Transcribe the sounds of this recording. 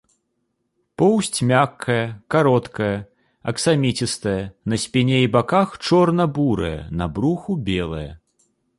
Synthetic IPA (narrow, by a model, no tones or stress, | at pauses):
pɔwsʲt͡sʲmʲakʰːɐjɐkaɾɔt̪kɐjɐ | ɐksamʲit͡sʲist̪ɐjɐnɐsʲpʲinʲeibakaxt͡ʂɔrnɐbuɾɐ̰jɐ̰nɐbɾuxubʲɛlˠɐjɐ